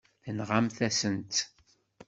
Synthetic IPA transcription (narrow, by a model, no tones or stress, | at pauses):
θənʁamθæsənt̪